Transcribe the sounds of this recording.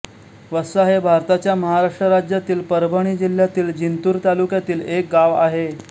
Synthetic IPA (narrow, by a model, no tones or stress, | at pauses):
ʋəsaɦebʱaɾt̪at͡ɕjaməɦaɾaʂʈɾəɾad͡ʑjat̪iːlpəɾbʱəɳ̃iːd͡ʑil̤ːjat̪iːld͡ʑint̪uːɾt̪alukjat̪iːlek̚ɡaʋa̰ɦe